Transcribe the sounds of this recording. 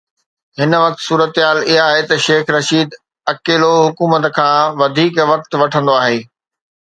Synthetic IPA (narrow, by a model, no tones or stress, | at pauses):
ɦɪnə̆ʋɐk̚t̪suːɾət̪ɦaːlɪɦaːɦet̪ɐʃeːxɾɐʃiːd̪ | ɐkeːloɦʊkuːmət̪əkʰãːʋɐd̪ʱiːkʋɐk̚t̪ʋɐʈʰə̃nd̪oaːɦeː